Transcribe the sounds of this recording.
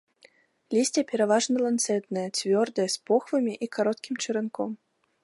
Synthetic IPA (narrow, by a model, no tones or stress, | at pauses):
lʲisʲtʲɐpʲɛɾɐvaʐnɐlˠant̪sɛt̪nɐjɐt͡sʲvʲɔrd̪ɐjɛspɔxvɨmʲiʔikaɾɔt̪kʲimt͡ʃɨɾɨnkɔm